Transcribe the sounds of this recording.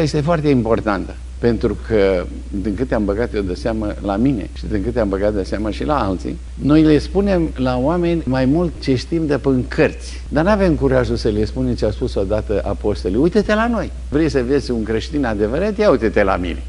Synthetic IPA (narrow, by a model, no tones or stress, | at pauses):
je̞st̪efoart̪e̞impo̞rt̪ant̪ə̥ | pe̞nt̪ɾukʰə | d̪iŋkɨt̪eambəɡat̪jewd̪əseamə̰lamine̞̰ʃid̪iŋkɨt̪eambəɡat̪̚d̪əseaməʃilaalt̪sḭ | no̞jle̞spune̞mlaoame̞nʲmajmult̪t͡ʃe̞ʃt̪imd̪epəŋkʰərt̪sʲ | d̪arnave̞mkuɾaʒusəlespunet͡ʃeaspuso̞d̪at̪əʔapo̞st̪oliujt̪et̪elano̞j | vɾejsəviesʲuŋkɾe̞ʃt̪inad̪e̞vəɾat̪jaujt̪et̪ela̰mḭne̞